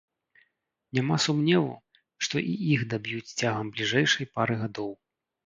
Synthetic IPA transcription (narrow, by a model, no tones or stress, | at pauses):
nʲamasumnʲɛvṵ | ʂt̪ɔʔiʔixd̪abʲjut͡sʲt͡sʲaɣɐmblʲiʐɛjʂɐjpaɾɨɣad̪ɔw